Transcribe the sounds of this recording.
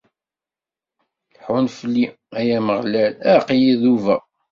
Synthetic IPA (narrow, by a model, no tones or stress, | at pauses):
lħunflːi | æjæməʁlælæqjiðuvæ̰